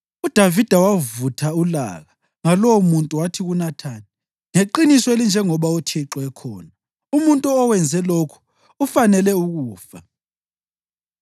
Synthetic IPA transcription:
ud̥ʱavid̥ʱawavutʰaula̰ɣa | ŋalɔwumuntʼuwatʰiɣunatʰaːni | ŋeǃinisɔelind͡ʒʱɛŋɔβautʰiǁɔɛkʰɔ̰ːna | umuntʼuɔwɛnd͡zʱɛlokʰu̥ | ufanɛlɛuɣuːfa

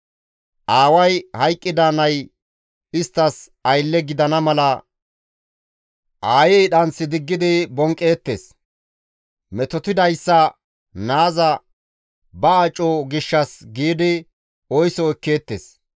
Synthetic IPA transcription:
ʔaːwɐjhɐjkʼːɪd̪anɐj | ɪst̪ːɐs | ɐjlːɛɡɪd̪ɐnɐmɐlɐ | ʔaːjɛjɗɐnsɪd̪ɪɡːɪd̪ɪbɔŋkʼːe̞ːt̪ːḛːs | mɛt̪ɔt̪ɪd̪ɐjsːɐ | naːzɐ | bɐat͡ʃʼːɔɡɪʃːɐsɡiːd̪ɪ | ɔjsɔɛkːe̞ːt̪ːḛːs

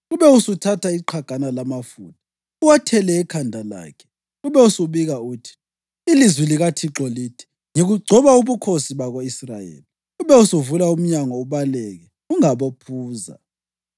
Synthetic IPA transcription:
uβɛusutʰatʰaiǃʰaɡ̥ʱanalamafṵndʱi | uwatʰɛlɛːkʰandʱala̰ːkʰɛ̥ | uβɛusuβiɣauːtʰi̥ː | lizwiliɣatʰiǁɔliːtʰi̥ | ŋeɣuɡ͡ǀʱɔβauβukʰosiβaɣoisrajḛːli | uβɛusuvulaum̩ɲaŋɔuβalɛɣɛ | uŋaβopʰuːza̰

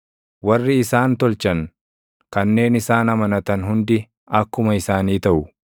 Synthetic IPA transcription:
wɐrːɪːsaːnt̪ɔlt͡ʃɐŋ | kɐnːe̞ːnɪsaːnɐmɐnɐt̪ɐnɦʊnd̪ɪ | ɐkːʊmɐɪsaːniːt̪ɐʔʊ

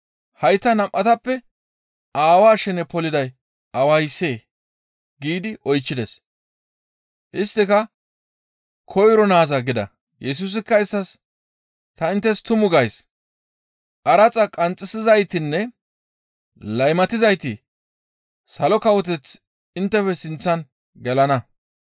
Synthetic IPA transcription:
hɐjt̪ːɐnɐmʔɐt̪ɐpːɛ | aːwaːʃɛnɛpɔlɪd̪ɐj | ʔɐwɐjse̞ː | ɡiːd̪ɪʔɔjt͡ʃːɪd̪ɛs | ʔɪst̪ːɪkɐ | kʰɔjɾɔnaːzɐɡɪd̪ɐ̰ | jɛs̬ʊs̬ɪkːɐɪst̪ːɐs | t̪ɐɪnt̪ːɛst̪ʊmʊɡɐjs | ʔɐɾɐt͡sʼɐkʼɐnt͡sʼːɪsɪzɐjt̪ɪnːɛ | lɐjmɐt̪ɪzɐjt̪ɪ | sɐlɔkɐwɔt̪̬ɛt͡s | ɪnt̪ːɛfɛsɪnt͡sːɐn | ɡɛlɐnɐ

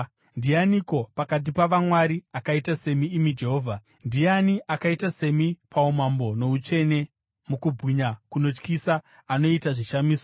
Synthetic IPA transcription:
ndijaniko̞pakat̬ipaʋamwaɾiakaitase̞miːmid͡ʒe̞ɦo̞ːvʱa | ndijaniʔakaitase̞mipʰaumambo̞no̞ut͡ʃe̞ne̞ | mukubɣiɲakuno̞t͡ʃkisa | ano̞itaʐiʃamiːso

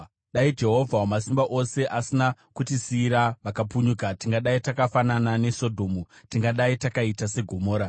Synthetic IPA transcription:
ɗaid͡ʒe̞ɦo̞vʱawamasimbaʔo̞se̞ʔasinakutisiːɾaʋakapuɲukatiŋɡaɗaitakafananane̞so̞dʱo̞ːmutiŋɡaɗaitakaitase̞ɡʱo̞mo̞ːɾa

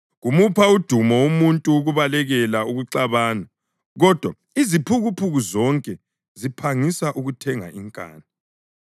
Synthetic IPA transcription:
ɣumupʰaud̥ʱumɔumuntʼuːɣuβalɛɣɛlauɣuǀaβaːna | ɣɔd̥ʱwa | izipʰuɣupʰuɣuzɔŋkʼɛ | zipʰaŋisaʔuɣutʰɛŋa̰iŋkʼa̰ːni

